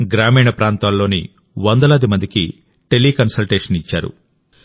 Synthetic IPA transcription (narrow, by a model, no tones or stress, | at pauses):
ɡɾaːmiːɳɐpɾaːnt̪aːlːo̞ːnḭ | ʋɐnd̪ɐlaːd̪imɐnd̪ikḭ | ʈe̞liːkɐnsɐlʈeːʂɐnit͡ʃːa̰ːɾṵ